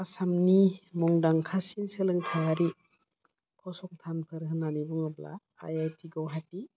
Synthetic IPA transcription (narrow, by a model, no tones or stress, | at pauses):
asamnimɔŋdaŋkʰasinselɯŋkʰajaɾi | kʰɔsɔŋtʰanpʰɯɾɦɯnanibɔŋɯbla̰ | a̰jajtʰiɡɔwɦati